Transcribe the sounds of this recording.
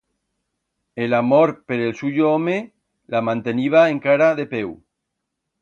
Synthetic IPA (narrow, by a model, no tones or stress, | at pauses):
elamoɾpeɾelsuʎoɔme | lamãnt̪eniβ̞aeŋkaɾaðepew